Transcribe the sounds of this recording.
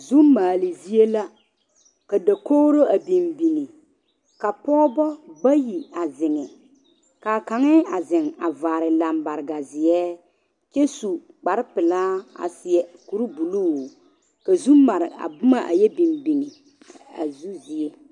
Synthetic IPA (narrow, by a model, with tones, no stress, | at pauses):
zu˦mːaː˨lɪ˨zi˦e˦la˦ | ka˨da˨koː˦ɾo˦a˨bi˨mbi˨ni˨ | ka˨pɔː˦bɔ˦ba˦ji˨a˨zɪ˨ŋɛ˨ | ka˨ka˨ŋɛ˦a˨zɪ˨ŋa˨vaː˨ɾɪ˨la˨mba˨ɾɪ˨ɡa˨zɪ˨ɛː˦ | t͡ʃɛ˦su˨ | k͡pa˨ɾɪ˦pɪ˨laː˦a̰˨sɪ˨ɛ˨ku˨ɾu˦bu˨lu˦˨ | ka˨zu˦mːa˨ɾɪ˨a̰˨bʊ˦ma˦ʔa̰˨jɛ˦bi˨mbi˨ni˨ | a̰˨zu˦zi˨e˦